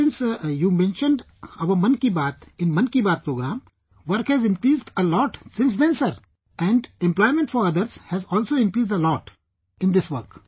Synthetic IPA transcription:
sɪ̃nsjuːmɛ̃nʃə̃nɖ | ɐʋəmɐ̃nkibaːt̪ɪ̃nmɐ̃nkibaːt̪̚pɾoːɡɾãːm | ʋəɾkhɛzɪ̃nkɾiːzɖəlɔːʈsɪ̃ns̬d̪ɛ̃nsəɾ | ɛ̃ɳɖɛ̃mplɔɪmɛ̃ɳʈsfɔɾɐd̪əɾz̥hɛzɔːlsoːɪ̃nkɾiːzɖəlɔːʈ | ɪ̃nd̪ɪsʋəɾk

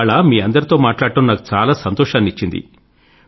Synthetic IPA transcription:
ɭamiːɐnd̪ɐɾit̪o̞ːmaːʈlaːɽʈ̪unːaːku̥t͡ʃaːlaːsɐnt̪ɔːʃaːnit͡ʃːind̪ḭ

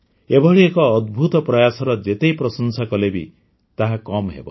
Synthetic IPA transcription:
ebʱɔɭiekɔːd̪bʱut̪ɔpɾɔjasɔɾɔd͡ʒet̪ejpɾɔsɔnsakɔlebḭ | t̪aɦakɔmɦḛbɔ̰

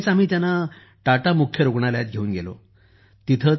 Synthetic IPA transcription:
t͡sam̤iːt̪janːa | ʈaʈamukʰjəɾoɡɳaljat̪̚ɡʱeuːnɡelo̰ | t̪it̪ʰə

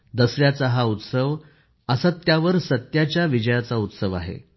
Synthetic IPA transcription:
d̪əsɾjat͡saɦaut̪səʋ | əsat̪ːjaʋəɾsət̪jat͡ɕjaʋid͡ʑəjat͡saut̪səʋa̰ɦḛ

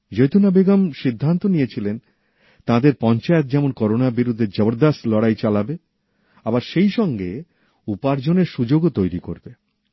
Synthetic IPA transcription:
d͡ʑojt̪unabeɡamʃid̪ʱːant̪onijet͡ɕʰilen | t̪ãd̪eɾpɔnt͡ɕaet̪̚d͡ʑɛmonkɔɾonabiɾud̪ʱːed͡ʑɔboɾd̪ast̪lɔɽajt͡ɕalabe | abaɾʃejʃɔŋɡe | upaɾd͡ʑoneɾʃud͡ʑoɡot̪ojɾiko̰ɾbe

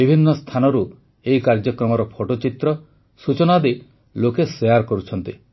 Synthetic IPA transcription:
ibʱinːɔst̪ʰanɔɾu | eikaɾd͡ʒɔkɾɔmɔɾɔpʰoʈot͡ʃit̪ɾɔ | sut͡ʃɔnad̪e | lokesejaɾkɔɾut͡ʃʰɔnt̪i

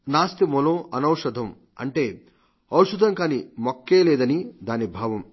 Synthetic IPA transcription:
naːst̪imɔloːʔɐnɐwʂɐd̪ʱɐm | ɐ̰ɳʈe̞ː | ɐwʂud̪ʱɐŋkaːnimokːeːleːd̪ɐnid̪aːnibʱaːʋɐm

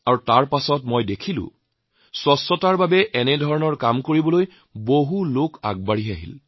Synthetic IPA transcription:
aɹutaɹpasɔtmojdekʰilʊ̰̃ | swɔsɔtaɹbabɛʔɛnɛdʱɔɹɔnɔɹkamkoɹibɔloj | boɦuloka̰ɡ̚baɹiɦaɦḭl

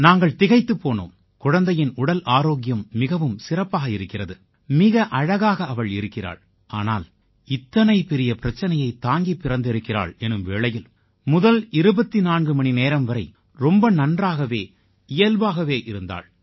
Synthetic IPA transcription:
naːŋɡɐɭt̪ɪɣɐɪt̪ːɯpːoːno̰ːm | kʊɻɐnd̪ɐjɪnʊɽɐlʔaːɾoːɣɪjɐmːɪɣɐʋɯmsɪrɐpːaːɣɐɪɾɯkːɪrɐðɯ | mɪɣɐʔɐɻɐɣaːɣɐɐʋɐɭɪɾɯkːɪra̰ːɭ | aːna̰ːl | ɪt̪ːɐnɐɪpɛɾɪjɐpɪɾɐt͡ʃːɐnɐjɐɪt̪ːaːŋɡipːɪɾɐnd̪ɪɾɯkːɪra̰ːɭɛnːɯmʋeːɭɐjɪl | mʊðɐlɪɾɯbɐt̪ːinaːnɡɯmɐɳineːɾɐmʋɐɾɐɪ | ɾɔmbɐnɐndraːɣɐʋeː | ɪjɐlʋaːɣɐʋeːʔɪɾɯnd̪a̰ːɭ

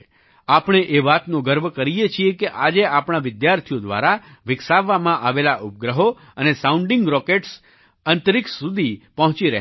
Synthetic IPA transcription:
apɳ̃eʔeʋat̪nõɡəɾbəkəɾijet͡ʃʰiekeʔad͡ʒeapɳ̃aʋɪd̪jaɾt̪ʰijod̪ʋa̰ɾaʋɪksaʋːamãʔaʋelaʔup̚ɡɾəɦo | ənesaũɳɖɪ̃ŋɡɾɔkeʈs | ənt̪əɾiksud̪ʱipəɦt͡ʃiɾəɦ

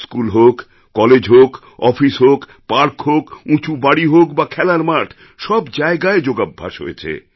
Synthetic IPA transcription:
skulɦokː | ɔled͡ʑɦok | ɔfisɦok | paɾkɦokũt͡ɕubaɽiɦokbakʰɛlaɾmaɾʈʰ | ʃɔbd͡ʑaeɡaed͡ʑoɡabʱːa̰ʃɦo̰et͡ɕʰḛ

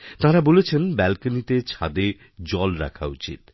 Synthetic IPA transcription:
t̪ãɾabolet͡ɕʰenbɛlkanit̪et͡ɕʰa̰d̪e | d͡ʑɔlɾa̰kʰa̰ṵt͡ɕḭt̪

